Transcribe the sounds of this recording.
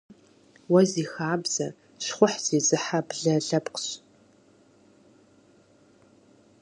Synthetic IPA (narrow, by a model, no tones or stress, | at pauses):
wɐziːxaːbz̥ɐ | ɕχʷʊħz̥eːzɨħabɮɐɮɐpqɕ